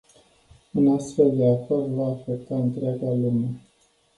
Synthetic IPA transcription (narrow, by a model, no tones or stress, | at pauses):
ɨnast̪fe̞ld̪eafakvaːfek̚t̪aɨnt̪ɾeaɡalume